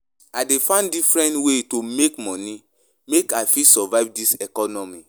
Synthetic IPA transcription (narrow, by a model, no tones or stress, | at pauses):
adefãndifɹɛ̃ntwetomekmɔni | mekaɪfisɔvaɪvdisɛkɔnɔmi